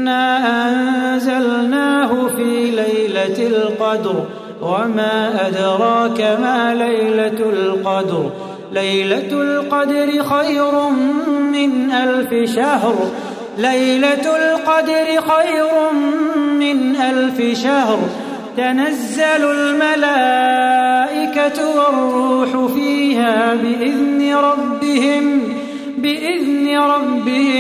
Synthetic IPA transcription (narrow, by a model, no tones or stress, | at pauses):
nːaːʔanzalnaːɦʊfiːlajlalqɑd̪ɾ | wamaːʔad̪ɾˤɑːkamaːlajlalqɑd̪ɾ | lajlalqɑd̪ɾɪxajɾʊmɪnʔalfɪʃahɾ | lajlat̪lqɑd̪ɑɾɪxɑjɾʊmɪnʔalfɪʃahɾ | t̪anazːalalmalaː | ʔɪkat̪wɑrˤːuːħʊfiːɦaːbɪʔɪðnɪɾˤɑbːɪhɪm | bɪʔɪðnɪɾˤɑbːɪhɪ